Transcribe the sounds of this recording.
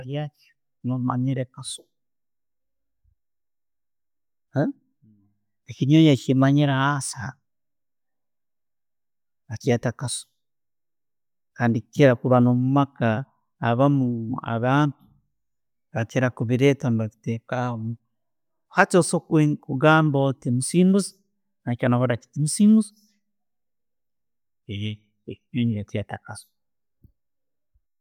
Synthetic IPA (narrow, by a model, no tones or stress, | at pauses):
jat͡ʃo | noma̰ɲiɾekasu̥ | ekiɲojat͡ʃimaɲiɾaasa | βat͡ʃatakasu̥ | kaːndikit͡ʃeɾakuβanomumakaː | βamua̰βaːntu̥ | βakeɾakuβiɾetambaki̥tekaomu | hat͡ʃosokekuɡaːmbotemusiːnuzi̥ | nakonaβoɾaki̥timusiːmuzi̥ | e | ekiuːɲiɾet͡ʃiatakaso̥